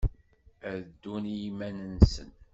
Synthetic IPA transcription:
æd̪ːunjimænənsə̰n

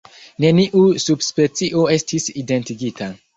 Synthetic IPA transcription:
ne̞niʔusubspe̞t͡siʔo̞e̞stʰiside̞ntiɡitʰa

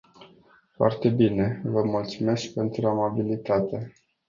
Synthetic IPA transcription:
foa̰rt̪e̞bine̞vəmult̪sume̞sk̚pe̞nt̪ɾuamabilit̪at̪e̞

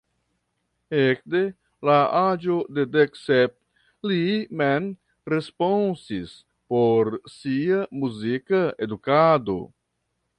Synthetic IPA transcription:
ek̚de̞ | laad͡ʒo̞de̞deksep̚ | limen | ɾe̞spo̞nsis | poɾsiamuzikaedukado̞̰

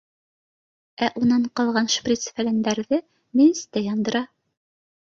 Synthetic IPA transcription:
æʔunɑɴqɑlˠʁɑnʃprʲit̪sfælænd̪æɾðɘ | minɘ̆st̪æjɑnd̪ɤ̆ɾɑ

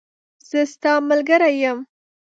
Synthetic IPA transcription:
z̥əst̪ɑməlɡəɾajəm

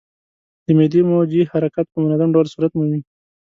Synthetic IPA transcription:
d̪əmed̪imod͡ʒihaɾakat̪̚pəmʊnazamɖawlsuɾat̪mumi

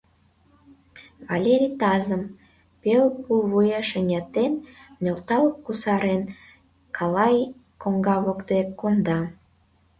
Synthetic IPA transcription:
βɑlʲeɾʲit̪ɑzəm | pelpuβujɑʃenʲɑt̪ennølt̪ɑləp̚kusɑɾen | kʰɑlɑjkoŋɡɑβokd̪ekond̪ɑ

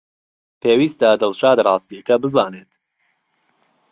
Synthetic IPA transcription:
peːwiːst̪ɐd̪ɨlʃaːd̪rˤɑːst̪iɐkɐbɨzɑːneːt̪

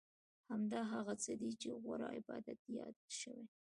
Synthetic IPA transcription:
hamd̪ɑɦaɣat͡səd̪it͡ʃeɣwa̰ɾɑɪbɑd̪at̪̚ijɑd̪ʃəwe

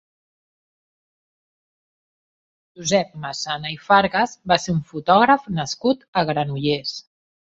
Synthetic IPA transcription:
ʒuzɛp̚masanəifaɾɣəzbaseuɱfut̪ɔɣɾəfnəskut̪əɣɾənuʎes

